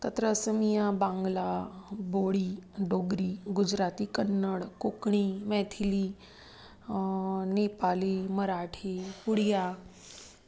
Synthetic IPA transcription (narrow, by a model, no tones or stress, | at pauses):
t̪ət̪ɾəsəmijabãŋɡlaboɽiːɖoɡɾiːɡud͡ʑɾat̪iːkənːəɽkokɳiːmɛt̪ʰiliː | nepaliːməɾaʈʰipuɽja